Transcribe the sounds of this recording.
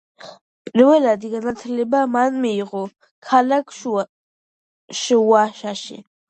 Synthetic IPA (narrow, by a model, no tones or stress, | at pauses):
pʼiɾvɛlad̪iɡanat̪ʰlɛbamanmiːʁɔ | kʰalakʰʃ | ʃwaʃaʃḭ